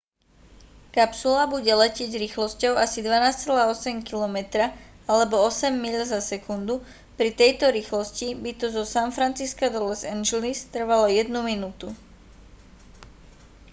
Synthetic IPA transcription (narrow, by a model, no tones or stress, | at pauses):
kapsulabuɟɛlɛcɪɛɟzɾiːxlɔscɔʊasid̪ʋanaːst͡sɛlaːɔsɛmkilɔmɛt̪ɾa | alɛbɔɔsɛmːiʎzasɛkund̪u | pɾit̪ɛjt̪ɔɾiːxlɔscibit̪ɔzɔsanfɾant͡siskad̪ɔlɛsɛnʒɛlist̪r̩ʋalɔjɛd̪numinuːt̪u